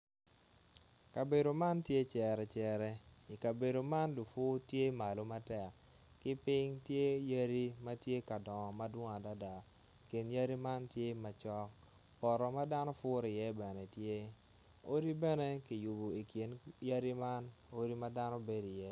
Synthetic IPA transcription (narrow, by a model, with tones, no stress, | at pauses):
ka˨be˨do˨ma˦ntje˦t͡ʃɛ˨ɾɛ˨t͡ʃɛ˨ɾɛ˦i˨ka˨be˨do˨ma˦nlu˨fʊ˦tje˦ma˨lo˨˦ma˦tɛ˨k | kɪ˦pɪ˦ŋtje˦ja˦ɾi˦ma˦tje˦ka˨dɔ˨ma˦dwʊ˦ŋa˨da˦da˨ | ki˨nja˦ɾi˦ma˦ntje˦ma˨t͡ʃɔ˦k | pɔ˨ɾɔ˨ma˦da˦nɔ˦fʊ˦ɾi˨jɛ˦bɛ˨nɛ˨tje˦ | o˦di˦bɛ˦ne˦ki˨ju˨bo˨i˨ki˨nja˦ɾi˦ma˦n | o˦ɾi˦ma˦da˦no˦be˦di˨jɛ˦